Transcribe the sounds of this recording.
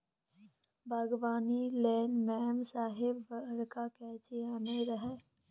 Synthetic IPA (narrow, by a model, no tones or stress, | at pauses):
bʱaɡbaːnileːnmɛːmsaːɦɪbːɽkakɛːt͡ʃiaːneɾəɦɛː